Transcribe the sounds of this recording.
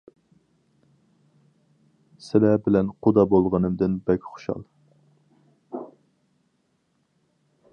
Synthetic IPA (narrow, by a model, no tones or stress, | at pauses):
sɪlɛbɪlɛnqʰod̪ɑbolˠʁənɨmd̪ɪnbɛkʲχʊ̥ʃɑ̰lˠ